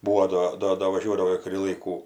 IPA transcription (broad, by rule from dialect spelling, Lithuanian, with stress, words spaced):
ˈbuːoː ˈdoː ˈdoː doː ʋɐˈʒʲuɔdɐʋoː ɪr kʊˈrʲiː ˈlˠɐɪkuː